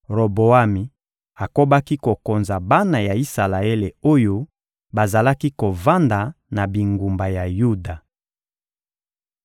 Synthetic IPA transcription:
ʁo˨bo˨a˦mi˨ | a˨ko˦ba˦ki˦ko˨ko˨nza˨ba˦na˨ja˨i˦sa˨la˨e˦le˨o˦jo˦ | ba˨za˨la˦ki˦ko˨va˦nda˨na˨bi˨ŋɡu˨mba˨ja˨ju˦da˨

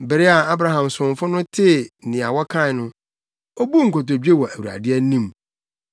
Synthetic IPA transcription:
bɪ˨ɾɪ˦a˨a˦bɾa˨ɦã˨msʊ̃˨ɱ˨fʊ˦nʊ̃˦tʰɪ˦˨nɪ̃˨a˨wɔ˦kʰã˦˨nʊ̃˦ | o˦bu˦ŋ̩˨kʰo˨to˨d͡ʑᶣe˦wɔ˨ʔæ˨wu˨ɾa̰˨dɪ˦ɛ˦nĩ˦m

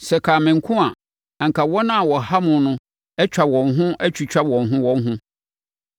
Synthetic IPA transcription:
sɛ˨kʰa˨mɪ̃˨ŋ̩˨kʰʊ̃˦a˨ | a˨ŋ̩˨kʰa˨wɔ˦nã˦a˨wɔ˨ha˦mʊ̃˨nʊ̃˦ | ɛ˦t͡ɕᶣʰa˨bwɔ̃˨nɦʊ̃˦æ˦t͡ɕʰᶣu˨t͡ɕᶣa˦bwɔ̃˨nɦʊ̃˦wɔ̃˦n˦ɦʊ̃˦

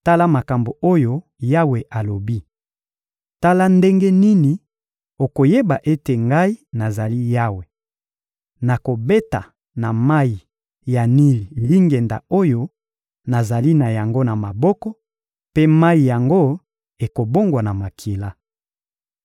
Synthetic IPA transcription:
ta˦la˦ma˨ka˨mbo˨o˦jo˦ | ja˦we˨ʔa˨lo˨bi˦ | ta˦la˦nde˦ŋɡe˦ni˦ni˨ | o˨ko˨je˦ba˨ʔe˦te˨ŋɡa˦i˦na˨za˨li˦ja˦we˨ | na˨ko˨be˦ta̰˨ | na˨ma˦i˨ | ja˨ni˦li˨li˦ŋɡɛ˨nda̰˨o˦jo˦ | na˨za˨li˦na˨ja˨ŋɡo˦na˨ma˨bɔ˦kɔ˦ | pe˦ma˦i˨ja˨ŋɡo˦ | e˨ko˨bo˦ŋɡwa˨na˨ma˨kʰe˨la˦

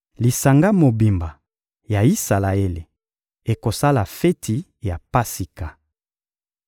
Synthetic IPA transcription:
li˨sa˨ŋɡa˦mo˨bi˨mba˨ | ja˨i˦sa˨la˨e˦lḛ˨ | e˨ko˨sa˦la˨fe˦tʰi˨ | ja˨pa˦si˨ka˨

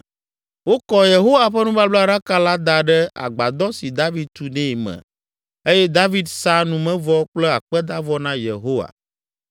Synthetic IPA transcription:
wo˦kɔ˦je˨ɦo˦wa˨ɸɛ˦nũ˦ba˦blɖa˦ka˦la˦d̪a˨ɖɛ˦a̰˨ɡ͡ba˨d̪ɔ˦si˨d̪a˦vi˦d̪̚t̪u˨nɛ̃˦˨mɛ̰̃˨ | e˦jɛ˦d̪a˦vi˦d̪sa˦nũ˦mɛ̃˦vɔ˦k͡plɛ˦a˨k͡pɛ˦d̪a˦vɔ˦nã˦jḛ˨ɦo˦wa̰˨

